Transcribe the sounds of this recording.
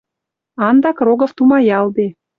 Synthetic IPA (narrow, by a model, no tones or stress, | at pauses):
ɑnd̪ɑkroɣə̆ft̪umɑjɑld̪e